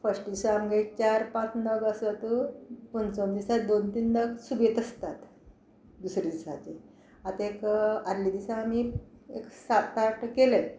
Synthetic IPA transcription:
fəsʈd̪isaːmɡait͡ɕaɾpãt͡snəɡəsat̪upənt͡sond̪isad̪ont̪iːnnəɡsubet̪əst̪at̪ | d̪usɾid̪isa̰t͡ɕe | at̪ekaɾlid̪isaːmiḛksat̪aʈkele

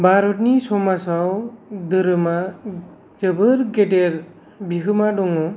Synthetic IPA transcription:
baɾɔtnisɔmasawd̪ɯɾɯma | d͡ʒɯbɯɾɡedeɾ | bʱiɦɯmadɔŋɯ

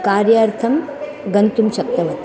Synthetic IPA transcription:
kaːɾjaːɾt̪ʰɐm | ɡɐnt̪umʃɐk̚t̪ɐʋɐt̪

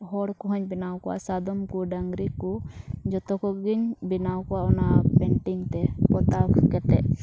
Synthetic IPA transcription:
ɦɔɽkɔɦɔɲbinawkɔwa̰sad̪ɔmkuɖaŋɡɾikːɔd͡ʒɔt̪ɔkɔɡiɲbinawkɔaɔnapɛɳʈiŋt̪ɛpɔt̪akkɛt̪ɛ

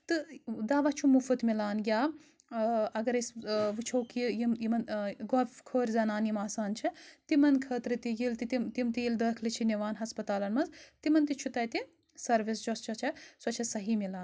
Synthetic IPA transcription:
t̪ɨd̪aːʋɐt͡ʃʰumufɨt̪milaːnɡʲaː | ɐɡɐɾesʋɨt͡ʃʰowkijimjimɐnɡɔfkʰoːɾʲzɐnaːnjimaːsaːnt͡ʃʰit̪imɐnkʰəːt̪ɾɨt̪ijilt̪it̪imt̪imt̪ijild̪əːkʰlit͡ʃʰiniʋaːnɦɐspɐt̪aːlɐnmɐnzt̪imɐnt̪it͡ʃʰut̪ɐjt̪i | sɐɾʋisd͡ʒost͡ʃʰɐt͡ʃʰɐswɐt͡ʃʰɐsɐɦimilaːn

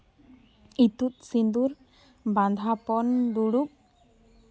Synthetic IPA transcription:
it̪ut̪̚sind̪uɾ | band̪ʱapɔnɖuɽup̚

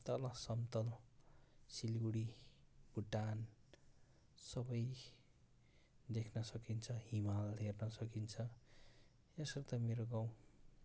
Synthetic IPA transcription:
t̪ʌlʌsʌmt̪ʌl | silɡuɽibuʈan | sʌbʌj | d̪ekʰnʌsʌkint͡sʰʌɦimalɦernʌsʌkint͡sʰʌ | esʌrt̪ʌmeɾoɡaw̃

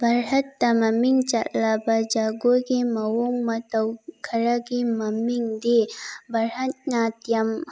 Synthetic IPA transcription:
bʱɐɾhɐt̪ːɐmɐmiŋt͡ʃɐtlɐbɐd͡ʒaɡoɡimɐwoŋmɐt̪ɐwkʰɐɾɐɡimɐmiŋd̪ibʱɐɾhɐt̪̚nat̪jɐm

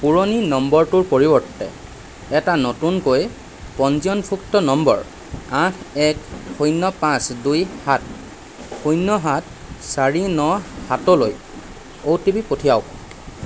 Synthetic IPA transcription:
puɹoninɔmbɔɹtʊɹpoɹibɔɹtːɛ̰ | ɛtanotunkoj | pɔnzijɔnpʰuktɔnɔmbɔ̰ɹ | ãkʰɛkxojnːɔpãsdujhat | xujnːɔɦat | saɹinɔhatɔloj | owtibipotʰijawk

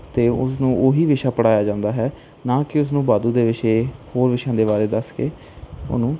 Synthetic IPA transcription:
t̪eːʊ̰snũːʔoːɦiːʋɪʃaːpəɽaːjaːd͡ʒãːnd̪aːɦɛː | naːkɪʊs̬nũːbaːd̪uːd̪eːʋɪʃeːhoːɾʋɪʃãːd̪eːbaːɾeːd̪əskeː | o̰nũː

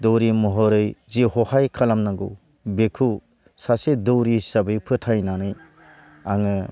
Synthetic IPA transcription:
dɔwɾimɔɦɔɾɯjzihɔhajkʰalamnaɡu | bekʰu | sasedowɾisabɯjpʰɯtʰajnanɯj | aŋɯ

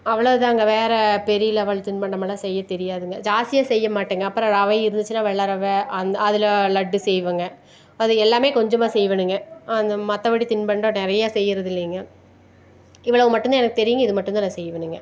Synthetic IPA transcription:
ɐʋːɐɭɐʋɯt̪ãːŋɡɐʋeːɾɐpɛɾɪlɐʋɐɭt̪ɪnpɐɳɖɐmaːlaːsɛjːɐt̪ɛɾɪjaːðɯŋɡɐd͡ʒaːsɪjaːsɛjːɐmaːʈːɯːŋɡɐɐpːɯɾɔ̃ɐʋɐɪɪɾɯnd̪ɯt͡ʃːɯnaːʋɛɭːɐɾɐʋɐɐnd̪ɐðɪlɐlɐɖːɯsɛjʋɐːŋɡɐ | ɐðɯɛlːaːmeːkɔɲd͡ʒɐmaːsɛjʋɐnɯŋɡɐɐnd̪ɐmɐt̪ːɐʋɐɽit̪ɪnpɐɳɖõnɪɾɐjaːsɛjːɪɾɐðɪlːɐŋɡɐ | ɪʋɐɭɐʋɯmɐʈːɯnd̪aːɛnɐkːɯt̪ɛɾɪjɪŋɡɐɪðɯmɐʈːɯnd̪aːnãːsɛjːʋɐnɯŋɡɐ

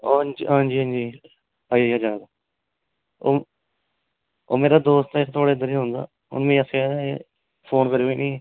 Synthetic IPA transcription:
oːniɦãːnd͡ʒiːɦãːnd͡ʒiː | aːiaːd͡ʒaːd̪aː | o̰ː | oːmeːɾaːd̪oːst̪akːt̪ʰoːɽeːəd̪əɾiːɦõnd̪a̰ː | ʊ̰nmẽːəseɛːaːe | pʰoːnkəɾeoiːnĩː

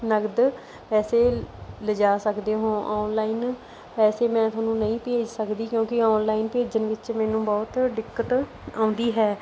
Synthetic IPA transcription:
nəɡd̪ | pɛːseːləd͡ʒaːsəkd̪eːɦõːʔɔːnlaːin | pɛːseːmɛ̃ːt̪ʰʊaːnũːnəĩːpeːd͡ʒsəkd̪iːkjõːkɪɔːnlaːɪnpeːd͡ʒənʋɪt͡ʃmɛːnũːbɔːt̪ɖɪkːət̪ | ãːʊ̃nd̪iːɦɛː

